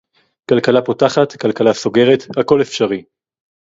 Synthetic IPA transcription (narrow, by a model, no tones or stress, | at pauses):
kalkalapotaχat̪kalkalaso̞ɡe̞ʁet̪hako̞lefʃaʁi